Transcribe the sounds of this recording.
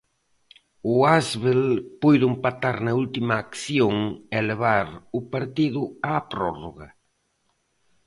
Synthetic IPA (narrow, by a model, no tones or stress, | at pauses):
ʊazβelpujðʊempat̪aɾnɐult̪imaːkθjoŋeleβ̞aɾʊpaɾt̪iðʊaːpɾɔroɣɐ